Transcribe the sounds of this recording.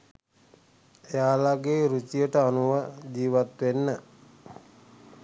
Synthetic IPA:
ejaːlaɡeːɾut͡ʃijəʈəanuʋəd͡ʒiːʋat̪ʋenːə

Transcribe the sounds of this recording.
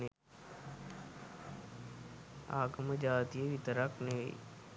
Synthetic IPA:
e | a̰ːɡəməd͡ʒaːt̪ijəʋit̪əɾakneʋḛ

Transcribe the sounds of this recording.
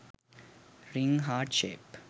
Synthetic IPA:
ɾɪ̃ŋɦaːʈʃeːp

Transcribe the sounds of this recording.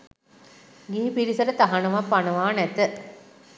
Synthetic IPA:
ɡiːpiɾisəɾət̪aɦanɐʋapːanəʋaːnɛt̪ə

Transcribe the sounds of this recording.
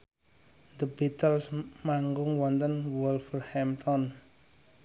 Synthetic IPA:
d̪əbit̪əlsmaŋɡʊŋwɔnt̪ənwɔlfərhɛmt̪ʰɔn

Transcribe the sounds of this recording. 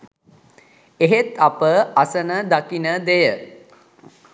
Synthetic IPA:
eɦet̪apəasənəd̪akinəd̪ejə

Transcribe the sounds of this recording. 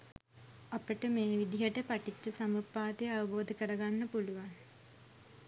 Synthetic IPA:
apəʈəmeːʋid̪iɦəʈəpaʈit͡ʃːəsamupːaːt̪ejəaʋɐboːd̪ʱəkəɾəɡanːəpuluʋaŋ

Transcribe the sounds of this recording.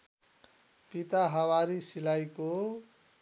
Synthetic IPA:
pit̪aɦʌwaɾisilajko

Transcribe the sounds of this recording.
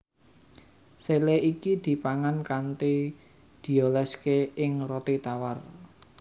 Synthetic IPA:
seleʔikid̪̥i̤paŋankant̪i | d̪̥i̤olɛskeɪŋrot̪it̪awar

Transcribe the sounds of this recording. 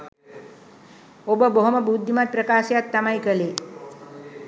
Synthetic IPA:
obəboɦomɐbuːd̪ʱːimat̪̚pɾɐkaːʃjat̪ːɐmajkəle

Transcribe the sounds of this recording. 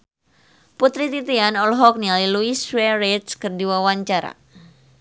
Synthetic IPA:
put̪ɾit̪it̪ianɔlɦɔk̚nialiluiswɛɾet̪skɨrdiwawaɲt͡ʃaɾa̰

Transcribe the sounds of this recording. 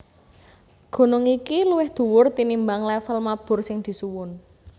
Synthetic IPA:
ɡ̥o̤nɔŋikiluwɪhd̪̥ṳwʊrt̪inimbaŋlɛfəlmab̥ʊ̤rsɪŋd̪̥i̤suwʊn

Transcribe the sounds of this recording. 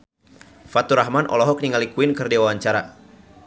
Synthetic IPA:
fat̪uɾahmanʔɔ̰lɔɦɔk̚niŋalikuinkɨrdiwawaɲt͡ʃaɾa

